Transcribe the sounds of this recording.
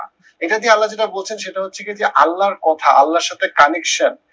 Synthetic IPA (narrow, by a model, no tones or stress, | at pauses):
ejʈad̪ialːaɾd͡ʑeʈabolt͡ɕʰenʃeʈaɦotːɕʰekid͡ʑeʔalːaɾkɔt̪ʰaʔa̰lːaɾʃat̪ʰekanekʃan